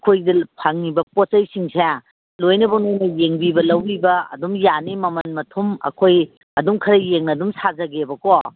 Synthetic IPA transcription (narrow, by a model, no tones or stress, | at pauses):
ɐkʰojdɐpʰaŋnibɐposɐjsiŋsʰe | lojnɐbɐwnajnɐjeŋbibɐlɐwbibɐɐ̰dumjanimɐmɐnmɐtʰumɐ̰kʰoj | ɐdumkʰɐɾɐjeŋnɐdumsazɐɡebɐko